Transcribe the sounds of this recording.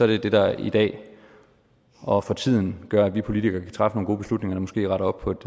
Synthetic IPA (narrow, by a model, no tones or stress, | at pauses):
sɒ̽æɐd̥ed̥e̝d̥ɑ̈ḭd̥ɛ̰ː | ʔɒ̽fɒ̽t͡sʰið̰ˠn̩ɡ̥ɶɐædʋipʰo̝lit͡sʰiɡ̥ɐːkʰæ̥t͡sʰʁɑ̈fəno̝ːnɡo̝ːb̥e̝slud̥ne̝ŋɐd̥ɑmɔsɡ̥e̝̰ːʁɑ̈ɾɒ̽b̥̚pʰɒ̽ed̥